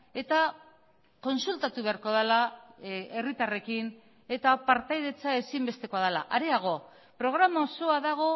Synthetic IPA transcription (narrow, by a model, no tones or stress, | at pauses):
e̞t̪a | ko̞nsult̪at̪uβe̞aɾko̞ðala | e̞rit̪are̞kin | e̞t̪apaɾt̪ajðe̞t͡sae̞simbe̞st̪e̞ko̞aðala̰ʔaɾeaɣ̞o̞ | pɾo̞ɣ̞ɾamaoso̞aðaɣ̞o̞